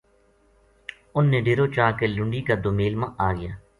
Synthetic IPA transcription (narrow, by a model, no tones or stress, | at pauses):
ʊnːẽːɖeːɾoːt͡ʃaːkelʊ̃ɳɖiːkad̪omeːlmãːʔaːɡɪjaː